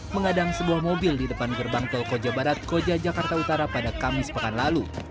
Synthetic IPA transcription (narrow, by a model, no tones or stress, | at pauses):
məŋadaŋsəbuahmobɪldidəpanɡərbaŋt̪ɔlkod͡ʒabaɾat̪̚kod͡ʒad͡ʒakart̪aut̪aɾapadakamɪspəkanlalu